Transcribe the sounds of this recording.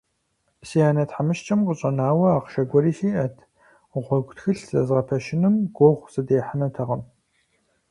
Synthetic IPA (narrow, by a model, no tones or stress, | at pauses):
sijaːnɐtħamɨʃt͡ʃʰʼɐmqəɕʼɐnaːwɐaːqʃɐɡʷɔɾiːsiːʔɐtʰ | ʁʷɔɡʷtxɨɬz̥ɐzʁɐpʰɐʃɪnɨmɡʷoʁʷsɨdeːħanɐtʰɐʁɐm